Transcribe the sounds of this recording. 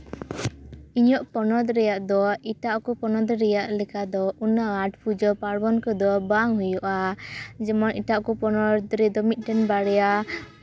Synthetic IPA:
iɲɔʔpɔnɔd̪ɾɛjaʔd̪ɔiʈaʔkɔpɔnɔd̪ɾɛjaʔlɛkad̪ɔunaaʈpʰud͡ʒɔpaɾbɔnkɔd̪ɔbaŋɦujuʔad͡ʒɛmɔniʈaʔkɔpɔnɔɾd̪ɾɛd̪ɔmit̪̚ˀʈɛnbaɽɛja

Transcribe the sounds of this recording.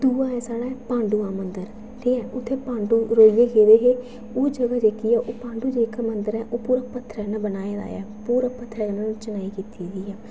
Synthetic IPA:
d̪uːãːɛːsaːɽaːɛpãːɳɖuːãːmənd̪əɾ | ʈʰeːɛːʔʊt̪ʰːeːpãːɳɖuːɾoːijeːkeːd̪eːɦeː | oːd͡ʒəɡaːd͡ʒeːkiːɛːʔoːpãːɳɖuːd͡ʒeːɪkmənd̪əɾɛːʔoːpuːɾaːpət̪ʰːɾɛːnãːbənaːeːd̪a̰ːja̰ːpuːɾaːpət̪ʰːɾɛːnat͡ʃənaːiːkiːt̪iːɡiːɛː

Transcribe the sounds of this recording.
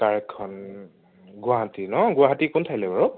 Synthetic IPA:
taɹɛkʰːɔn | ɡʊaɦatinɔɡʊaɦatikʊntʰajlɛbaɹu

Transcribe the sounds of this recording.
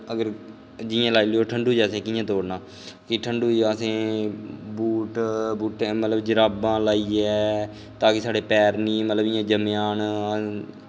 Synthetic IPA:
əɡəɾ | d͡ʒɪjãːlaːiːleːoːʈʰəɳɖuːd͡ʒaːsẽːkɪjãːt̪̬oːɽnaː | kɪʈʰəɳɖuːd͡ʒaːsẽː | buːʈbuːʈemət̪ləbd͡ʒəɾaːbãːlaːiːɛː | t̪aːkɪsaːɽeːpɛːɾnĩːmət̪ləbɪːãːd͡ʒəmjaːn

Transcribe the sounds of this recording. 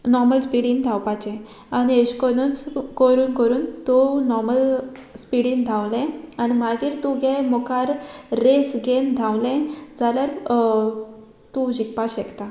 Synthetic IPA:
nɔɾməlspiɽĩnd̪ʱawpat͡ɕɛ̃ | anieɕkonunt͡skəɾuːnkəɾuːnt̪unɔɾməl | spiɽĩːnd̪ʱawlẽanimaɡiːɾt̪ũɡemɔkaɾːesɡend̪ʱawlẽd͡zalaɾ | t̪ud͡ʑikpaɕɛkt̪a

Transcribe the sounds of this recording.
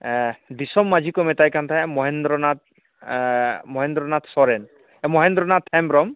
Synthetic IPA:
disɔmːad͡ʒʱikɔmɛt̪ajkant̪ʰaɛmɔɦend̪ɾɔnat̪̚ | mɔɦɛnd̪ɾɔnat̪sɔɾɛn | ɛmɔɦɛnd̪ɾɔnat̪ʰɛmɾɔm

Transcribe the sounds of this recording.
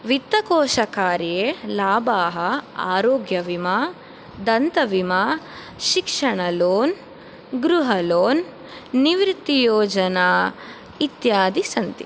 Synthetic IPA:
ʋit̪ːɐkoːʃɐkaːɾjeːlaːbaːɦɐa̰ːɾoːɡjɐʋimaː | d̪ɐnt̪ɐʋimaː | ʃikʂɐɳɐloːn | ɡɾuɦɐloːnː | iʋɾt̪ːijoːd͡ʒɐnaː | it̪jaːd̪isɐnt̪i

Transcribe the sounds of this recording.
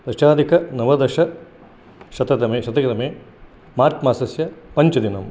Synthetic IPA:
d̪ɐʃaːd̪ikɐnɐʋɐd̪ɐʂɐ | ʃɐt̪ɐt̪ɐmeːʃɐt̪ɐkɐt̪ɐmeː | maːɾt̪maːsɐsjɐpɐɲt͡ʃɐd̪inɐm

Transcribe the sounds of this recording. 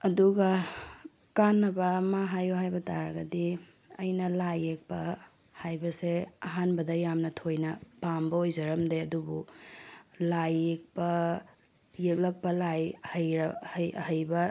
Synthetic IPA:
ɐduɡɐ | kanːɐbɐːmɐɦajuɦajbɐtaɾɐɡɐdi | ɐ̰jnɐlajek̚pɐ | hajbɐseɐɦanbɐdɐjamnɐtʰojnɐpambɐojzɐɾɐmdeɐdubu | lajek̚pɐː | ek̚lɐk̚pɐlajhɐjɾhhɐjbɐ

